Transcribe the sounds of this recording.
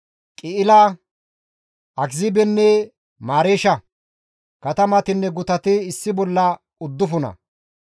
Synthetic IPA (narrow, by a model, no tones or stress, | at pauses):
kʼɪʔɪla | ʔɐɡzɪbɛnːɛ | maːɾeːʃɐ | kɐt̪ɐmɐt̪ɪnːɛɡʊt̪ɐt̪ɪːsːɪbɔlːɐ | ʊd̪ːʊfʊnɐ̰